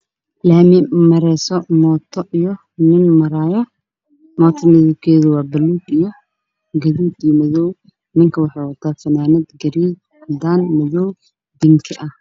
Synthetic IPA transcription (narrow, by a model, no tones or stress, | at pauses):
laːmɪmɐɾɛːsɔmɔːt̪ʰɔʔijɔ | nɪnmɐɾaːjɔ | mɔːt̪ʰɐnɐðɪb̚kʰɛːðʊwɑːbɐluːd̪ijɔ | ɡɐðuːd̪ijɔmɐðɔw | mɪŋkʰɐwɑħɑjwɐt̪ʰaːfɐnaːnɪd̪ɡɐɾiːd̚ | d̪aːnmɐðɔw | d̪ɪŋkʰɐʔɐh